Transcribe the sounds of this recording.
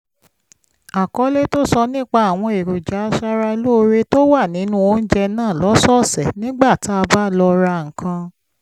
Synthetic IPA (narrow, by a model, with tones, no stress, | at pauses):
a˨kɔ˨˦le˦to˦sɔ˧nĩ˦k͡pa˧a˨w̃ɔ̃˧e˨ɾu˨d͡ʒa˨˦ʃa˧ɾa˧˦lo˦˧ɾe˦to˦wa˦˨nĩ˨˦nũ˦o˦n̩˦d͡ʒɛ˧nãː˦˨lɔ˨˦sɔ˦˨sɛ˨nĩ˦ɡ͡ba˦˨ti˦a˧ba˦˨lɔ˧ɾa˧ŋ̩˨kʰã˧